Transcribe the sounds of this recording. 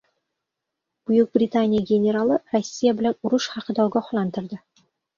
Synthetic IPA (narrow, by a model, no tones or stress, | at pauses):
b̥ujuq̚brʲit̪anʲijaɡʲenʲeɾɑlˠɤrosʲːijabʲlʲæuruʂχɑqɤ̆d̪ɒlˠɡɑχlˠɑnd̪ɤ̆rd̪ɤ̆